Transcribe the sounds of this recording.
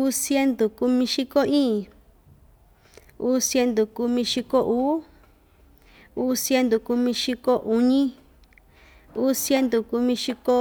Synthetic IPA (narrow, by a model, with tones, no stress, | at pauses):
u˦sje˦nd̪u˨ku˧mĩ˧ʃi˦ko˦ĩː˦˨ | uː˦sje˧nd̪u˨ku˧mĩ˧ʃi˧ko˦ʔuː˦ | uː˦sje˧˦nd̪u˨ku˧mĩ˧ʃi˧ko˦ʔu˧ɲĩ˦ | uː˦sje˦nd̪u˨ku˧mĩ˧ʃi˧ko˦